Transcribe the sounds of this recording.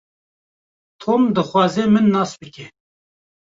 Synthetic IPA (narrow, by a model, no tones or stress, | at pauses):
t̪ʰoːmd̪ɨxwɑːzeːmɨnːɑːsbɨkʲe